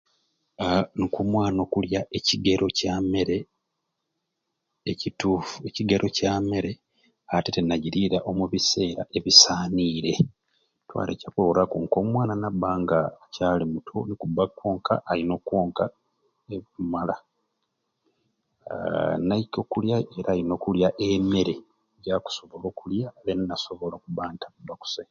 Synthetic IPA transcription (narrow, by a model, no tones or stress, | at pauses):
nikumwaːno̞kuljaʔe̞ciɡeɾʔo̞came̞ɾe̞ | cituːfue̞ciɡeɾʔo̞came̞ɾe̞ | atetenaɟiɾiɾaʔo̞muβise̞ːɾa̰ʔe̞βisaːniːɾe̞ | twa̰lḛcakololakuŋkomwaːnanabaːŋɡacaːlimutʰonikubːakːo̞ːŋka̰ʔːlino̞kwo̞ːŋka | emala | naiko̞kuljae̞ɾaːlino̞ːkuljaʔeme̞ɾe̞ | ɟaku̥so̞βo̞lo̞ːkuljaennaso̞βo̞lokuβaːntakubːaku̥se